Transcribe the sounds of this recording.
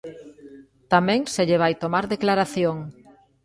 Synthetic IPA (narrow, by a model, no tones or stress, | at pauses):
t̪amɛ̃ŋseʎeβ̞ajt̪omaɾðeklaɾaθjoŋ